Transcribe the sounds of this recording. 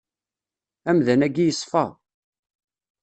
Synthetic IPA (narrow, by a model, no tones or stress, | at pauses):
æmðænæɡijəsˤfɑ